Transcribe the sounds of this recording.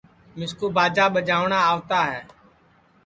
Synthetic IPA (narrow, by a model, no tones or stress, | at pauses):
mɪskuːbaːd͡ʒaːɓəd͡ʒaːʋɳaːaːʋt̪aːɦɛː